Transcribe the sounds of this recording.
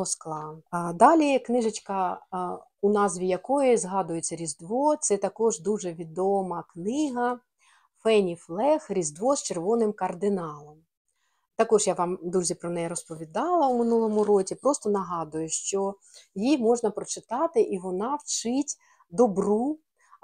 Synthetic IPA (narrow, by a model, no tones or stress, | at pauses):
ɔsklˠɑd̪ɑlʲiknɪʒɐt͡ʃʲkɐ | ʊnɑzʋʲijɐkɔjizɦɑd̪ʊjet͡sʲːɐɾʲizd̪ʋɔt̪sɛt̪ɐkɔʒd̪uʒɛʋʲid̪ɔmɐknɪɦɐ | fɛnʲiflˠɛxɾʲizd̪ʋɔst͡ʃerʋɔnɪmkɐrd̪ɪnɑlˠɔm | t̪ɐkɔʒjaʋɑmd̪uzʲipɾɔnɛjɛɾɔspɔʋʲid̪ɑlˠɐwmɪnulˠɔmʊɾɔt͡sʲipɾɔst̪ɔnɐɦɑd̪ʊjʊʃt͡ʃɔ | jimɔʒnɐpɾɔt͡ʃɪt̪ɑt̪ɪʔiʋɔnɑwt͡ʃɪtʲ | d̪ɔbru